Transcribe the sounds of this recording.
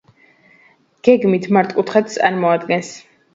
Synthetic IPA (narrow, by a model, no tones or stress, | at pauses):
ɡ̥ɛɡmit̪ʰmaɾt̪ʼkʼut̪ʰχɛt̪̚t̪sʼaɾmɔad̪ɡɛns